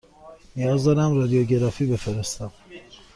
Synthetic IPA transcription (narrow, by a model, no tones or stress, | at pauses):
nijɒːzd̪ɒːɾæmɾɒːd̪ijoɟe̞ɾɒːfiːbe̞feɾest̪æm